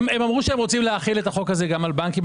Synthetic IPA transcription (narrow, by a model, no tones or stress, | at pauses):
memamʁuʃeemʁot͡simleaχile̞t̪aχokhaze̞ɡamalbankim